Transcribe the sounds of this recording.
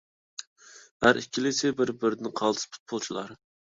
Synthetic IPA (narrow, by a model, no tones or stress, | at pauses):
hæɾʔikʲʰːilisɪbɪɾbɪɾd̪ɪnqʰɑlˠt̪ʰɨ̥spʰʊ̥t̪̚pʰʊlˠt͡ʃʰilˠɑ̰ɾ